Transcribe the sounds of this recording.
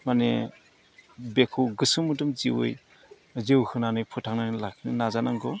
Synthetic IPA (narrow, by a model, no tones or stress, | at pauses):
mane | bekʰuɡɯsɯmudɯmziwɯ̰j | zewhɯnanɯjpʰutʰaŋnanɯlakʰɯnɯnazanaŋɡɔ